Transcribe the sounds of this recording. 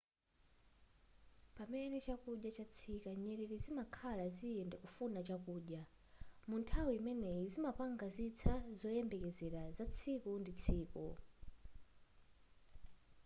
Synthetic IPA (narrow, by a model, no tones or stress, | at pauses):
pamɛnɛt͡ʃakuɗjat͡ʃat͡sʰikaɲɛɾɛɾizimakʰalaziɛndɛkufunat͡ʃakuːɗja | muntʰawiimɛnɛizimapaŋɡazit͡sʰazɔjɛmbɛkɛzɛɾazat͡sʰikundit͡sʰiːkṵ